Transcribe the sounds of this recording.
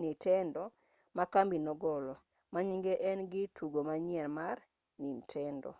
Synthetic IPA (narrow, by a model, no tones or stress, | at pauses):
nitɛndɔ | makambinɔɡɔlɔ | maɲiŋɡeʔɛnɡɪtʰuɡomaɲɪɛlmar | nintʰɛndɔ̰